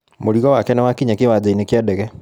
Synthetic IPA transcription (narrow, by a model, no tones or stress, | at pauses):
moɾiɣɔwakɛnɛwakiɲakewad͡ʑainekjɛdɛɣɛ